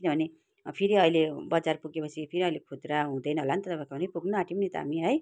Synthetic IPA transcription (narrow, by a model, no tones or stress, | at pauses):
kkinʌbʱʌne | pʰiɾiʌijlebʌd͡zarpuɡepʌsʰipʰiɾiʌjlekʰut̪raɦũd̪ʌjnʌɦolant̪ʌt̪ʌpãkabʌnipuɡnuaʈimnit̪ʌɦa̰miɦʌj